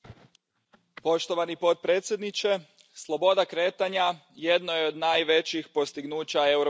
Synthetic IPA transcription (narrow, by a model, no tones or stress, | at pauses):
po̞ʃt̪o̞ʋanipo̞d̪̚pɾe̞ːt̪sʲje̞d̪nit͡ɕe̞ | slˠobo̞d̪akɾe̞ːt̪aɲa | je̞d̪nojeod̪naːjʋe̞t͡ɕixpo̞st̪iɡnuːt͡ɕaeuɾo